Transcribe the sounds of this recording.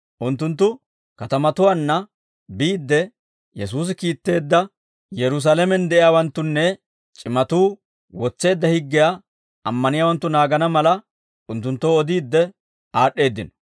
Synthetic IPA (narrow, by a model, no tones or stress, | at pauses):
ʔʊnt̪ːʊnt̪̬ːʊ | kɐt̪ɐmɐt̪ʊwanːɐ | biːd̪ːɛ | jɛs̬uːs̬ɪkiːt̪ːe̞ːd̪ːɐ | jɛɾʊs̬alɛmɛnd̪ɛʔɪjaːwɐnt̪ːʊnːɛ | t͡ʃʼɪmɐt̪uː | wɔt͡sːe̞ːd̪ːɐhɪɡːɪja | ʔɐmːɐnɪjaːwɐnt̪ːʊnaːɡɐnɐmɐlɐ | ʔʊnt̪ːʊnt̪ːoːɔd̪iːd̪ːɛ | aːɗːe̞ːd̪ːɪnɔ